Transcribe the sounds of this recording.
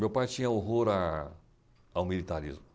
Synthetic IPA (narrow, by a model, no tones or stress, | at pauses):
mewpajt͡ʃĩɲɐoɦoɾa | awmilit̪aɾḭzmʊ